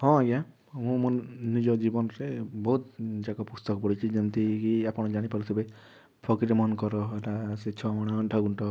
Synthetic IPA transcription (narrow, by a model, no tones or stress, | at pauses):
hɔ̃ɡa | mũmunːid͡ʒɔd͡ʒibɔnɾebɔɦut̪̚d͡ʒakɔpust̪ɔkɔpɔɽit͡ʃʰid͡ʒɔnt̪ikiapɔɽ̃ɔd͡ʒaɽ̃ipaɾisʰɔbe | pʰɔkiɾemɔnkɔɾɔɾaset͡ʃʰɔmɔɽ̃aɳʈʰaɡuɳʈɔ